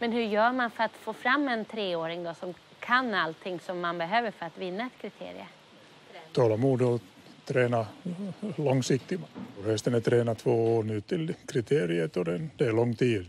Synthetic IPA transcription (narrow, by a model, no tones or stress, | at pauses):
mɛnhɵɾjœːɾmanfœɾat̪foːfɾamːɛnt̪ʰɾeːoːɾɪŋd̪ɔsɔm | kʰanːalt̪ʰɪŋsɔmːanbɛɦøːvəɾfœɾat̪vɪnːaɛt̪kʰɾɪt̪ʰḛːɾɪ̰ə̰ | t̪ʰɑːlamuːd̪ɔ | t̪ʰɾeːna | lɔŋsɪk̚t̪ɪɔhɛst̪ənɛt̪ʰɾeːnat̪ʰvoːoːnʉːt̪ʰːɪlkʰɾɪt̪ʰeːɾɪət̪ɔd̪ɛd̪ɛɛɭlɔŋːt̪ʰiːd̪